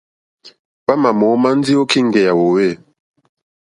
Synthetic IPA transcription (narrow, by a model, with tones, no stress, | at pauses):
ba˦ma˨mɔ˨˦ma˦n̩˦di˦o˦ki˦˨ŋ̩˨ɡɛ˨ja˨wo˨we˦˨